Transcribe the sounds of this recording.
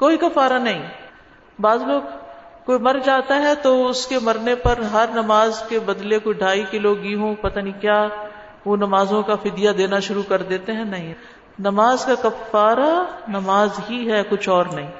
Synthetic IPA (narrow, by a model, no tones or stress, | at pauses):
koːikɐfaːɾanɐɦĩː | baːzloːɡkoːimɐɾd͡ʒaːt̪aɦɛt̪oʊskemɐɾnepɐɾɦɐɾnɐmaːzkebɐd̪lekoiɖʱaːikɪloɡɡiːɦõpɐt̪anĩkjaː | ʋonɐmaːzõkafɪd̪ijad̪eːnaʃʊɾukɐɾd̪eːt̪eɦɛ̃nɐɦĩ | nɐmaːzkakɐfːaːɾanɐmaːzɦiɦɛkʊt͡ʃʰɔːɾnɐɦĩː